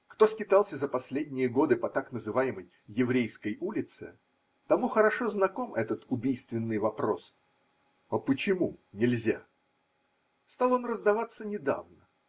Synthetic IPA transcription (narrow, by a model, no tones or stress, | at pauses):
kt̪o̞skʲɪt̪alˠsʲəzəpɐsʲlʲed̪ʲnʲɪjəɡo̞d̪ɨpɐt̪aknəzɨvajɪməjːɪvɾʲejskəjulʲɪt̪sɨ̰ | t̪ɐmuxəɾɐʂoznɐko̞mʔɛt̪ət̪ʊbʲijst̪vʲɪnːɨjvɐpɾo̞s | ɐpət͡ɕɪmunʲɪlʲzʲa̰ | st̪alˠo̞nrəzd̪ɐvat̪sːənʲɪd̪a̰vnə